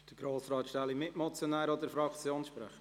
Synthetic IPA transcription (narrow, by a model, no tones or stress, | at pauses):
d̥əɡ̥ɾoːsɾɑːt̪ʃtɛlimɪtmɔt͡sjonɛːɾɔd̪əɾfɾɑkt͡sjoːnsʃpɾɛ̰χə